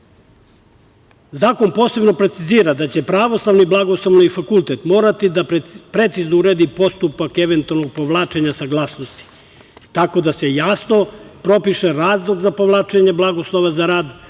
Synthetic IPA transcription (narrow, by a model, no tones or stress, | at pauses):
zaːko̞npo̞ːse̞bno̞pɾe̞t̪siziːɾad̪at͡ɕe̞pɾaʋo̞slˠaʋniblˠaɡo̞slˠoʋniifakulˠt̪et̪mo̞ːɾat̪id̪appɾe̞t̪siznouɾeːd̪ipo̞st̪upake̞ʋe̞nt̪ualnoɡ̚po̞ʋlˠaːt͡ʃe̞ɲasaɡlˠaːsnost̪i̥ | t̪ako̞d̪ase̞jasno̞pɾo̞piʃeɾaːzlˠoɡzapo̞ʋlˠaːt͡ʃe̞ɲeblaɡoslˠoʋazaɾaːd̪